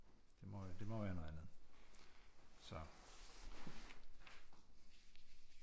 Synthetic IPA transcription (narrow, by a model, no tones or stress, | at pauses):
d̥e̝mɒd̥e̝mɒʋæːɐnoð̩ˠænð̩ˠ | sɒ